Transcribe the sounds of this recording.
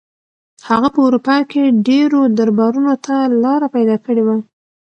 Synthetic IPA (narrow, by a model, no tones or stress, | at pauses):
haɣapəuɾupɑjkeɖeɾod̪aɾbɑɾunot̪alɑɾapajd̪ɑkəɽewa